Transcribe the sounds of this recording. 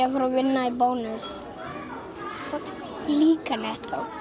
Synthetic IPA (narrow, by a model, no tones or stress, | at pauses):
afɔɾɔvɪnːaibownʏs | liːkanɛht̪a̰w